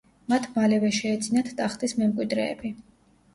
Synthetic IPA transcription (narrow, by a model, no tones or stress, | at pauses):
mat̪ʰmalɛvɛʃɛːd̪zinat̪ʰt̪ʼaχt̪ʼismɛmkʼwid̪ɾɛ̰ːbi